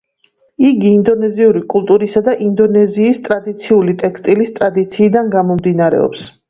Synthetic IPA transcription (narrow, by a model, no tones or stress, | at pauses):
iɡiːnd̪ɔnɛziuɾikʼulˠt̪ʼuɾisad̪aʔind̪ɔnɛziːst̪ʼɾad̪it̪sʰiulit̪ʼɛkst̪ʼilist̪ʼɾad̪it̪sʰiːd̪anɡamɔmd̪inaɾɛ̰ɔ̰ps